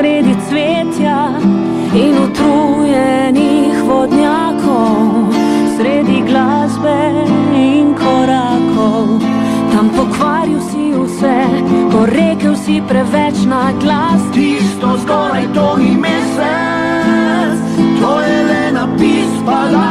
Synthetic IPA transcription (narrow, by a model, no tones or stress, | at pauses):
ɾeːd̪it̪sʋeːt̪ja | inut̪ɾujɛ | nixʋɔd̪njaːkʰɔw | sɾeːd̪iɡlazbɛinkʰɔɾaːkʰɔw | t̪ampɔkʋaːɾiwsiusɛpɔɾeːkəwsipɾɛʋɛt͡ʃnaɡlast̪ist̪ɔzɡɔːɾajt̪oimeːsɛ | t̪ojɛlɛnapiːsala